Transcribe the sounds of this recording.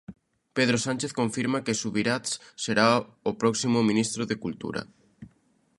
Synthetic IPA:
peðɾosant͡ʃeθkoɱfiɾmakesuβiɾat̪sseɾaopɾɔksimʊmĩnist̪ɾoðekult̪ṵɾɐ̰

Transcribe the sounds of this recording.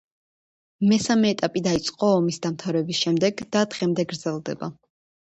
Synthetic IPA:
mɛsamɛːt̪ʼapʼid̪ait̪sʼqʼɔɔmisd̪amt̪ʰavɾɛbisʃɛmd̪ɛɡd̪ad̪ʁɛmd̪ɛɡɾd̪z̥ɛlˠd̪ɛ̰ba

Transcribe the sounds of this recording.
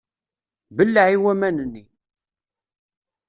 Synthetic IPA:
bəlːʕiwæmænənːi

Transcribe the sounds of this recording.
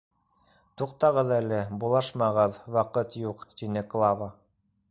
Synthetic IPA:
t̪uq̚t̪ɑʁɤðælɘbulˠɑʃmɑʁɤðwɑqɤt̪juqt̪inɘklˠɑvə

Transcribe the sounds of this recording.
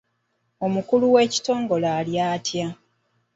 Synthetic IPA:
o̞mukuluwe̞ːci̥to̞ːŋɡo̞laːljaːtja

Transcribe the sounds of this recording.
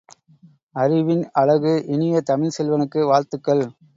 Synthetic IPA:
ɐɾɪʋɪnɐɭɐɣɯʔɪnɪjɐt̪ɐmɪlsɛlʋɐnɯkːɯʋaːɾt̪ɯkːɐɭ

